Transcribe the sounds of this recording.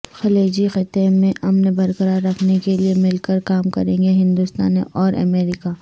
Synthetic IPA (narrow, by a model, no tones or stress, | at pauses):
xɐleːd͡ʒixɪt̪emẽʔɐmnbɐɾkəɾaːɾːɐkʰnekeliemɪlkəɾkaːmkɐ̰ɾẽːŋɡeɦɪ̃nd̪ust̪a̰ːnḛʔɔːɾɐ̰meːɾɪka